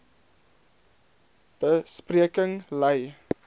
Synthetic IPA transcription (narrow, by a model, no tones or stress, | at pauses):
b̥əspriəkəŋlɛj